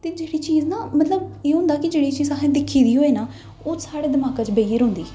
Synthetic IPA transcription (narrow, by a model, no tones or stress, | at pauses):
t̪eːd͡ʒeːɽiːt͡ʃiːznaːmət̪ləbeːɦʊ̃ːnd̪aːkɪd͡ʒeːɽiːt͡ʃiːzaːɦẽːd̪ɪkʰːiːd̪iːɦoːeːnaː | oːsaːɽeːd̪əmaːkãːt͡ʃbejəɾɦʊ̃ːnd̪iː